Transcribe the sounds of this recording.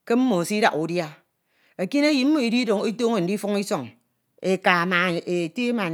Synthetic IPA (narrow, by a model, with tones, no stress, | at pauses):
ke˦m̩˦mo˨si˦da̰˨ku˨dja˦ | e˨ki˦ne˦ji˨m̩˦mo˨i˨di˦do˨ŋe˦to˦ŋe˦˨n̩˨di˦fu˦ŋi˦sɔ˨ŋ | e˨ka˨na˨e˨te˦ma˨n